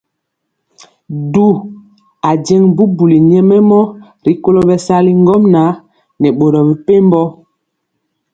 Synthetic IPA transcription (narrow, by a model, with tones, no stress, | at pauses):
du˦˨ | a˨d͡ʒɛ˦ŋbu˦bu˨li˨ɲɛ˦mɛ˦mɔ˦ | ɾi˨˦ko˦lo˦bɛ˨sa˦li˦ŋɡɔ˦mna˨˦ | nɛ˨ɓo˨ɾɔ˨bi˨pe˦m˦bɔ˦